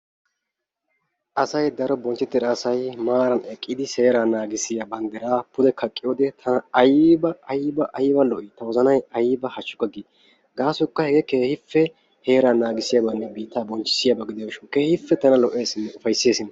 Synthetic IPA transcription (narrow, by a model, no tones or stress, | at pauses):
ʔɐsɐjd̪ɐɾɔbɔnt͡ʃːɪt̪ːɪɾɐːsɐjmaːɾɐnɛkʼːɪd̪ɪse̞ːɾaːnaːɡɪsɪjabɐnd̪ɛɾaːpʊd̪ɛkʰɐkʼːɪjoːd̪ɛt̪ʰɐnɐɐjbɐːjbɐʔɐjɪbɐlɔʔɪːt̪ɐwɔzɐnɐjɐjɪbɐhɐt͡ʃːʊ̥kːɐɡi | ɡaːsʊkːɐhɛɡɛke̞ːhɪfːɛ | he̞ːɾaːnaːɡɪsɪjaːbɐnːɛbiːt̪ːaːbɔnt͡ʃːɪ̥sɪjaːbɐɡɪd̪ɛjɐwʃɔke̞ːhɪfːɛt̪ɐnɐlɔʔe̞ːsɪnːɛʊfɐjsːeːsɪnɐ